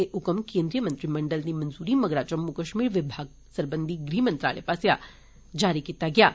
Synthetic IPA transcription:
eʔukəmkeːnd̪ɾijəmənt̪ɾiməɳɖəlnimənzuːɾimɐɡɾat͡ʃəmːukəʃmiːɾʋɪbʱaɡ | səɾbənd̪ʱiɡɾiːmənt̪ɾa̰ːɭḛpasja | d͡ʒaɾikit̪aɡjaː

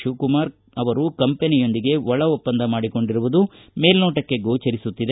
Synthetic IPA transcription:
ʃuːkumaːɾ | ɐʋɐɾukɐmpenijo̞nd̪iɡe̞ʋɔɭɐopːɐnd̪ʱɐmaːɽiko̞ɳɖiɾuʋud̪u | me̞ːlnoːʈɐkːe̞ɡoːt͡ʃɐɾisut̪ːid̪e

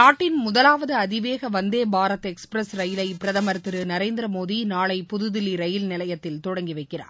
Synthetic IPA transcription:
naːʈːɪnmʊðɐlaːʋɐðɯɐðɪʋeːɣɐʋɐnd̪eːbaːɾɐt̪ːɛkspɾɐsɾɐjɪlɐɪpɪɾɐðɐmɐɾt̪ɯɾɯnɐɾeːnd̪ɪɾɐmoːðinaːɭɐɪpʊðɯðɪliɾɐjɪlnɪlɐjɐt̪ːɪlt̪ɔɽɐŋɡiʋɐɪkːɪra̰ːɾ

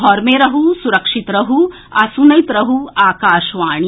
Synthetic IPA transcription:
ɦɔɾmeːɾɐɦusuɾɐkʂit̪ɾɐɦu | ɐsunɐjt̪ɾɐɦuaːkaːʃʋaːɳ̃i

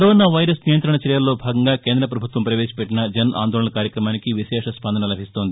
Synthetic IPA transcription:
kɐɾoːnaːʋɐjɾɐsnijɐnt̪ɾɐɳɐt͡ʃɐɾjɐlːo̞ːbʱaːɡɐŋɡaːke̞ːnd̪ɾɐp̬ɾɐbʱut̪ʋɐmpɾɐʋeːsi̥pɛʈːinɐd͡ʒɐna̰ːnd̪ɔːlɭɐɳɐkaːɾjɐkɾɐmaːnikiʋiʃɛːʂɐspɐnd̪ʱɐnɐlɐbʱist̪oːnd̪i

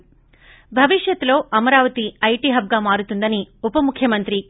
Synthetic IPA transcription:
bʱɐʋiʂjɐt̪ːlo̞ːɐmɐɾaːʋɐt̪iɐjʈiːɦɐb̚ɡaːmaːɾut̪und̪ɐniupɐmukʰːjɐmɐnt̪ɾi

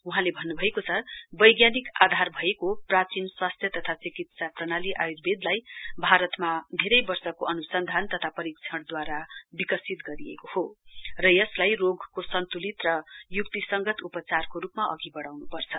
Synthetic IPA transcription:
uɦãlebʱʌnːubʱʌekot͡sʰʌbʌjɡjanikad̪ʱarbʱʌekoprat͡sinswast̪ʰjʌt̪ʌt̪ʰat͡sikit̪saprʌɽ̃aliʔa̰juɾ̚bed̪lajbʱaɾʌt̪mad̪ʱeɾʌjbʌrsʌkoʔʌnusʌnd̪ʱant̪ʌt̪ʰapʌɾik̚t͡sʰʌɽd̪waɾabikʌsit̪ɡʌɾiḛkohorʌjʌslajroɡkosʌnt̪ulit̪rʌjuk̚t̪isʌŋɡʌt̪upʌt͡sarkoɾupmaʔʌɡibʌɽawnupʌrt͡sʰʌ

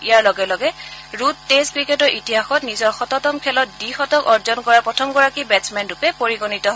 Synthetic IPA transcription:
ijaɹlɔɡɛlɔɡɛɹutːeskɹiketɔɹʔitiɦaxɔtnizɔɹxɔtɔtɔmkʰɛlɔt̚dixɔtɔkɔɹzɔnkɔɹapɹɔtʰɔmɡɔɹakibɛtsmɛntupɛpoɹiɡonitɔɦɔ

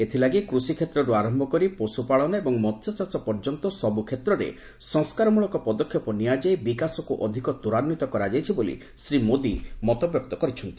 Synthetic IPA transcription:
et̪ʰilaɡikɾusikʰet̪ɾɔɾuaɾɔmbʱɔkɔɾiposupaɭɔnɔebɔŋmɔt̪ʰsɔt͡ʃasɔpɔɾd͡ʒɔnt̪ɔsɔbukʰet̪ɾɔɾḛ | sɔŋskaɾɔmuɭɔkɔpɔd̪ɔkʰjɔpɔniad͡ʒejbikasɔkuʔɔd̪ʱikɔd̪uɾanːit̪ɔkɔɾad͡ʒajt͡ʃʰibolḭ | sɾimod̪imɔt̪ɔbjɔk̚t̪ɔkɔɾit͡ʃʰɔnt̪i̥

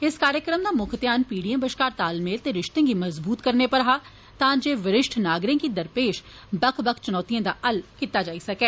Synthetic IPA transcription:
ɪskaːɾjəkɾəmd̪amʊkʰt̪jaːnpiːɖiəmbɐʃkaːɾt̪aːlmeːlt̪eɾɪʃt̪ẽɡimɐzbuːt̪kɐɾnepɐɾɦaː | t̪ãːd͡ʒeːʋɐɾɪʃʈʰnaːɡɾẽkid̪ɐɾpeːʃ | bɐkʰbɐkʰt͡ʃʊnɔːt̪ijãd̪aʔɐlkɪt̪ːad͡ʒaːisɐkɛː

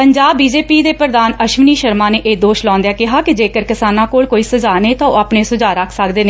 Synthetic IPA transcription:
pəɲd͡ʒaːbːiːd͡ʒeːpiːd̪eːpɾd̪aːnəʃʋniːʃəɾmãːneːʔeːd̪oːʃlɔ̃ːnd̪jaːkɪɦaːkɪd͡ʒeːkəɾkɪsaːnãːkoːɭkoːiːsəd͡ʒaːneːt̪ãːo̰ːaːpneːsʊd͡ʒaːɾəkʰsəkd̪eːneː

